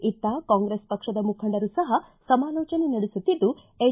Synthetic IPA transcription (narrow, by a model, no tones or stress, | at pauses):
it̪ːaːkaːŋɡɾespɐkʂɐd̪ɐmukʰɐɳɖɐɾusɐɦɐ | sɐmaːlɔːt͡ʃɐnenɐɽisut̪ːid̪ːu | e